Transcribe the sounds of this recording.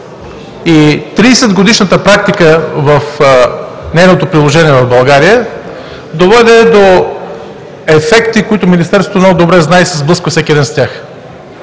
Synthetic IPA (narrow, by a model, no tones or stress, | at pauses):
it̪ɾiːsɛd̪ɡod̪iʃnət̪əpɾak̚t̪ikəvɐf | nɛjnot̪opɾilˠoʒɛniɛvɐvbɐlˠɡaɾijə | d̪ovɛd̪ɛd̪o | ɛfɛkt̪ikoit̪ʊminist̪ɛɾsot̪onoɡd̪obɾɛznaɛisɛzblˠɤskvəfsɛkʲiɛd̪ɛnst̪ʲjax